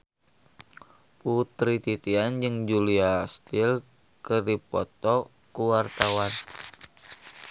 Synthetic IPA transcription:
put̪ɾit̪it̪iand͡ʒɨŋd͡ʒuliast̪il | kərdipɔ̰t̪ɔ | kuwart̪awan

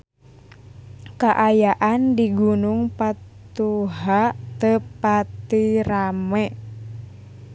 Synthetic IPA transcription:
kaʔajaʔandiɡunuŋpat̪uɦat̪əpat̪iramɛ

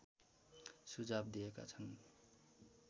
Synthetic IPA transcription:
sud͡zabd̪ieka̰t͡sʰʌn

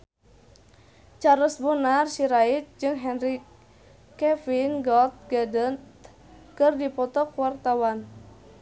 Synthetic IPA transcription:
t͡ʃaɾʊsbonarsiɾait̪̚d͡ʒɨŋɦɛnri | kɛfinɡɔt̪̚ɡədənt̪ | kɨrdipɔt̪ɔkuwart̪awan

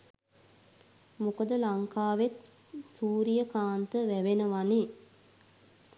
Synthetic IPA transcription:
mukəd̪əlaŋkaːʋet̪ | suːɾijəkaːnt̪əʋæʋenəʋane

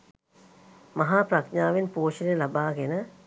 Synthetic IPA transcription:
mɐɦaːpɾɐkɲaːʋenpoːʃənelabaːɡenə

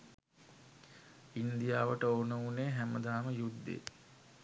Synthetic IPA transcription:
ind̪ijaːʋəʈəoːnəuneːɦæməd̪aːməjud̪ːḛː

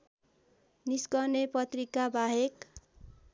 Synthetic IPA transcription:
niskʌrnepʌt̪rikabaɦek

